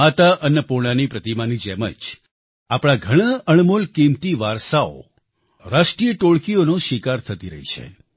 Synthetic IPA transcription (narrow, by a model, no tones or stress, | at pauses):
at̪aʔənəpoɽ̃anipɾət̪imanid͡ʒɛmə̰d͡ʒ | apɽ̃ãɡʱəɽ̃aəɳ̃molkimt̪iʋaɾsao̰ | ɾaʃʈijəʈoɭkionõʃikaɾt̪ʰət̪iɾə̰ɦḭt͡ʃʰḛ